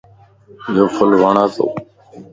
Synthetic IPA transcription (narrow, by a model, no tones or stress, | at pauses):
joːfʰəlʋaːɳaːt̪o̰ː